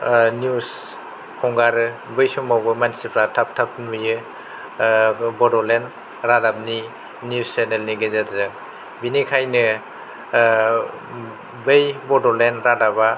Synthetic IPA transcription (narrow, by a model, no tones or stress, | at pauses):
njus | hʰɔŋɡaɾɯ | bɯjsɔmawɡɯmansipʰɾatʰap̚tʰap̚nbɯjɯ | bɔdɔlen | ɾadab̚ni | nusenelniɡezatzɯ | binikʰajnɯ | bejbɔdɔlenɾadaba